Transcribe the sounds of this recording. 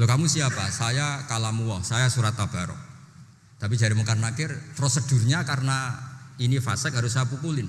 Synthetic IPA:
lokamusiapasajakalamuɔhsajasuɾat̪ːab̥aɾɔ̰ | t̪ap̬idd͡ʒaɾimukarnakɪrpɾosəd̥ṳrɲakarənainifasɛkɦaɾʊsajapukulɪn

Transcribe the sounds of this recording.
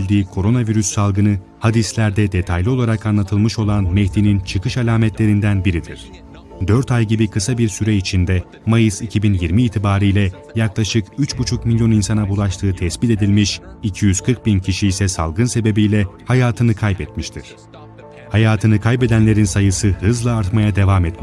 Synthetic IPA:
ilʲd̪iːkʰo̞ɾo̞naviɾysːalˠɡɯnɯ | had̪islʲæɾd̪ɛd̪e̞t̪ʰajlʲio̞lˠaɾakanlˠat̪ʰɯlˠmɯʃo̞lˠanmɛhd̪inint͡ʃʰɯkʰɯʃalʲaːmɛt̪lʲe̞ɾind̪ænbiɾid̪iɾ̥ | d̪øɾt̪ajɟibikʰɯsabiɾsyɾɛit͡ʃʰind̪ɛ | majɯsicʰibinjiɾmiːt̪ʰibaːɾɯjlʲɛ | jaklˠaʃɯkyt͡ʃbut͡ʃʰukmilʲjo̞ninsanabulˠaʃt̪ʰɯːt̪ʰɛsbit̪e̞d̪ilʲmiʃicʰijyzkʰɯɾk̚bincʰiʃiːsɛsalˠɡɯnse̞be̞bijlʲɛhajaːt̪ʰɯnɯkʰajbɛt̪miʃt̪ʰiɾ̥ | hajaːt̪ʰɯnɯkʰajbɛd̪ænlʲe̞ɾinsajɯsɯhɯzlˠaːɾt̪majad̪e̞vaːmɛt̪mi

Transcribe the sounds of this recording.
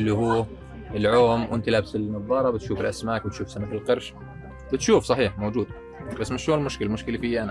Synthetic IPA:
lːiɦuː | ɪlʕoːmwʔɪnt̪ilaːbɪsɪlmɨðˤɑːɾˤɑbɪt̪ʃuːfɪlʔasmaːkbɪt̪ʃuːfsanafilqɑɾˤʃ | bɪt̪ʃuːfsˤɑħiːħmoːd͡ʒuːd̪̚ | basːmɪʃloːnlmʊʃkɪlamʊʃkɪlifiːʔana

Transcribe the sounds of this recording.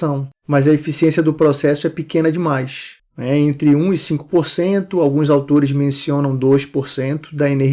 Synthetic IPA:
ɐ̃w̃mɐjzɐefisiẽsiɐd̪ʊpɾɔsɛsʊɛpikẽnɐd͡ʒɪmajs | nɛẽnt̪ɾɪũɪsĩkʊ̥poɾsẽt̪ʊawɡũzawt̪oɾɪzmẽsiõnɐ̃w̃d̪ojʃpoɾsẽnt̪ʊ̥d̪ɐeneɦ

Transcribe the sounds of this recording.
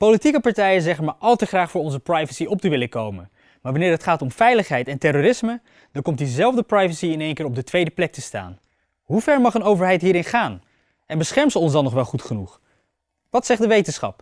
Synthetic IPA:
powlitikəpɑɹtɛjəzɛχənmaɹʔɑlˠtəχraːχfʊːɹɔnzəprɑjvəsiɔp̚təʋɪləkowmən | maːɹʋɑnɪːɹətχaːtɔmfɛjləχɦɛjtɛntɛroːrɪsmə | dɑkɔmt̚dizɛlˠvdəprɑjvəsiɪnejŋkɪːɹɔb̚dətʋejdəplɛk̚təsta̰ːn | ɦuvɛɹmɑχənowvəɹɦɛjtɦiːɹɪnχaːn | ɛnbəsχɛɹmsəɔnzdɑnːɔχʋɛlˠχutχənuχ | ʋɑtsɛχdəʋejtənsχɑ̰p

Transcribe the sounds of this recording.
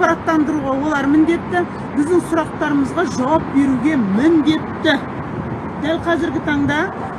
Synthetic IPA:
pɑɾɑt̪ːɑnd̪əɾuʁɑwo̞lˠɑɾmɪnd̪e̞t̪ːɪ | bɪzd̪ɪŋsʊɾɑq̚t̪ɑɾəməzʁɑʒɑwɑp̚be̞ɾuɡʲe̞mɪnd̪e̞t̪ːɪ | d̪̥ælqʰɑzɪɾɡʲɪt̪ʰɑɴd̪ɑ

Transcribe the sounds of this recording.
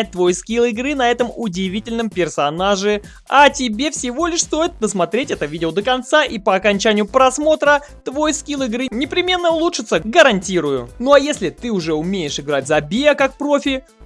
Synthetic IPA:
ɪt̚ʲt̪vojskʲilˠɪɡɾɨnɐɛt̪əmʊdʲɪvʲitʲɪlʲnəmpʲɪrsɐnaʐɨ | ɐtʲɪbʲefsʲɪvo̞lʲɪʂst̪o̞jɪt̪̚d̪əsmɐt̪ɾʲetʲɛt̪əvʲidʲɪod̪əkɐnt̪saʔipəɐkɐnʲt͡ɕænʲɪjʊpɾɐsmo̞t̪ɾə | t̪vo̞jskʲilˠɪɡɾɨnʲɪpɾʲɪmʲe̞nːəʊlˠuʂɨt̪səɡəɾɐnʲtʲiɾʊjʊ̰noɐjesʲlʲɪt̪ɨʊʐɛʊmʲeɪʂɨɡɾat̚ʲzɐbʲejəkak̚pɾo̞fʲɪ

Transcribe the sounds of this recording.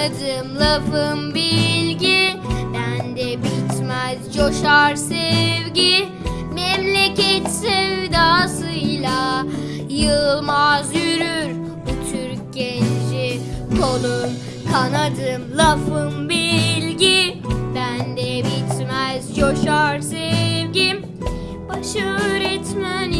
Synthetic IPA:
ad̪ɯmlˠafɯmbilʲɟibænd̪ɛbit̪mɛzjoʃaɾsɛvɟi | mɛmlʲecʰɛt̪sɛvd̪aːsɯjlʲˠa | jɯlˠmazjyɾyɾ | but̪ʰyɾc̚ɟɛnd͡ʒikʰolˠum | kʰanad̪ɯmlˠafɯmbilʲɟibænd̪ɛbit̪mɛzjoʃaɾsɛvɟi | b̥aʃaøːɾɛt̪mæn

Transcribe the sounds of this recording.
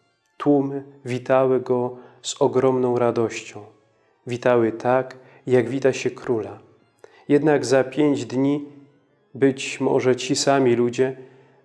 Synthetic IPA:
t̪wumɘvʲit̪awɘɡɔz̥ɔɡɾɔmnɔ̃w̃ɾad̪ɔɕt͡ɕɔ̃w̃ | vʲit̪awɘt̪ʰak | jaɡvʲit̪aɕɛkɾula | jɛd̪naɡzapʲjeɲd͡ʑd̪ɲi | bɘt͡ɕmɔ̰ʐɛt͡ɕisamʲilud͡ʑɛ

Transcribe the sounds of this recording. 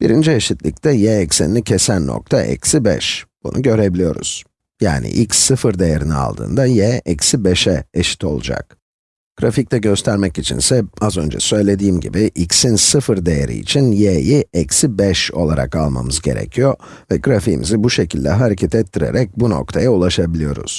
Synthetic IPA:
b̥iɾind͡ʒieʃit̪lʲict̪ʰɛjɛɛcsiniicʰesænːo̰k̚t̪ʰaʔɛ̰csibɛ̰ʃb̥ṵnʔuɟø̞ɾe̞bilʲijo̞ɾṵz̥ | ja̰ːnḭʔilcsːɯfɯɾd̪ejeɾinia̰lˠd̪ɯ̰ːnd̪ajɛːɛcsibeʃɛeʃi̥t̪ʰo̞lˠud͡ʒa̰k̚ | ɡ̥ɾafic̚t̪ʰɛɟø̞st̪ʰæɾmɛcit͡ʃʰḭnsɛazø̞nd͡ʒɛ̰sø̞jlʲe̞d̪iːmɟḭbiʔicsinsɯfɯɾd̪e̞jeɾʔḭːt͡ʃʰinjejiɛcsibɛʃo̞lˠaɾa̰kalˠma̰mɯzɟe̞̰ɾḛcʰijo̞ | vɛɡɾafiːmʔḭzibuʃe̞cʰilʲːɛɦaɾecʰɛt̪ʰɛt̪ʰːiɾe̞̰ɾɛc̚buno̞̰k̚t̪ʰajaulˠaʃabilʲijo̞ɾṵz̥

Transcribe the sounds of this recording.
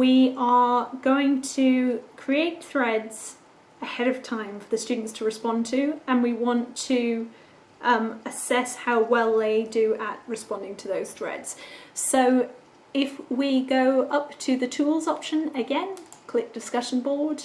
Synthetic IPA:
wiʔəɡ̥oʊɪ̃ŋtʰɨkʰɹ̥ieɪt̪̚θɹɛdz̥ | əhɛɾʌv̥tʰãɪ̃ɱfəðɨst͡ʃʉːdⁿn̩tstʰəɹɨspɒ̃ntʰɨə̃nwiwɑ̃ntʰɨ | ʔməsɛshaʊwɛlˠðeɪdɨəʔ̚ɹɨspɑ̃ndɪ̃ŋtʰəðoʊz̥θɹɛ̰dz̥soʊ | ɪfwiɡoʊʔʌptʰɨðɨtʰulˠzɒpʃə̃nɨɡɛ̃nkʰl̥ɪk̚d̥ɨskʌʃə̃n̩bɔːd̥

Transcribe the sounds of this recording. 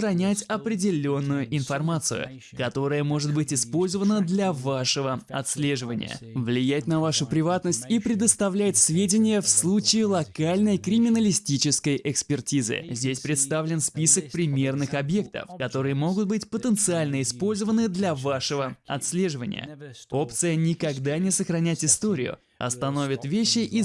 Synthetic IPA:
ɾɐnʲætʲɐpɾʲɪdʲɪlʲo̞nːʊjʊʔɪnfɐrmat̪sɨ̰jʊ̰ | kɐt̪o̞ɾəjəmo̞ʐɨt̪bɨtʲɪspo̞lʲzəvənəd̪lʲɐvaʂɨvəɐ̰t̪sʲlʲe̞ʐɨvənʲɪ̰jə̰vlʲɪjætʲnɐvaʂʊpɾʲɪvat̪nəsʲtʲipɾʲɪd̪əst̪ɐvlʲæjɪt̪svʲedʲɪnʲɪjəfslˠut͡ɕɪɪlˠɐkalʲnəjkɾʲɪmʲɪnəlʲɪsʲtʲit͡ɕɪskəjʔɪkspʲɪrtʲizɨ̰zʲdʲesʲpɾʲɪt̪st̪avlʲɪnspʲisək̚pɾʲɪmʲe̞rnɨxɐbje̞k̚t̪ə̰fkɐt̪o̞ɾɨjəmo̞ɡʊt̪̚bɨtʲpət̪ənt̪sɨalʲnəɪspo̞lʲzəvənɨd̪lʲɐvaʂɨvəɐ̰t̪slʲe̞ʐɨvənʲɪ̰jə̰o̞pt̪sɨjənʲɪkɐɡd̪anʲɪsəxɾɐnʲætʲɪst̪o̞ɾʲɪ̰jʊ̰ | ɐ̰st̪ɐno̞vʲɪt̪vʲeɕːɪʔi

